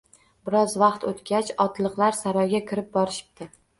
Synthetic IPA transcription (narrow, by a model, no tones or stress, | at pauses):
bɪɾɒzvɑqt̪ot̪kʲat͡ʃɒt̪lˠɨqlaɾsaɾɒjɡʲakʲʰɪɾɪp̚bɒɾɪʃɪ̥p̚t̪ʰɪ